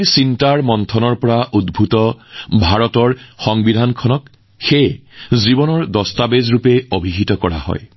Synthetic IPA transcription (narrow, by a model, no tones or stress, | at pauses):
sintaɹmɔntʰɔnɔɹpɔɹaʔudbʱutɔbʱaɹɔtɔɹxɔŋbidʱankʰɔnɔk | xejzibɔnɔɹdɔstabezɹupeobʱiɦitɔkɔɹa̰hɔ̰j